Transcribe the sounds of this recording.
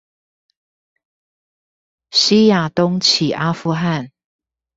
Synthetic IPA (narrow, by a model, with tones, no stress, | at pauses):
ɕi˥˦ja˨˩t̪ʊ˥˦ŋt͡ɕʰi˨˩ʔa˦˥fu˥˧xa˥˨n